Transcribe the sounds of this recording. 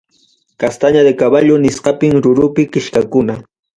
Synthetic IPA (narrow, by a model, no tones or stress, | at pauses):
kast̪aɲad̪ɪkaβaʎʊnɪsqɑpɪŋɾʊɾʊpɪkɪʃkakʊna